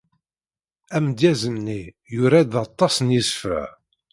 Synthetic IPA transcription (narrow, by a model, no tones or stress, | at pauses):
æmd̪jæzəmni | jʊɾæðɑt̪ˤːɑsnjisfə̰ʕ